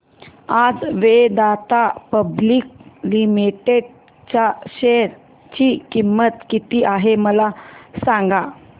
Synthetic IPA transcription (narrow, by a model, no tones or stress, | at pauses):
ad͡zʋed̪at̪apəbliːk̚limiʈeɽ | t͡ɕaɕeɾ | t͡ɕiːkimːət̪kit̪iːʔaɦeməlasãŋɡa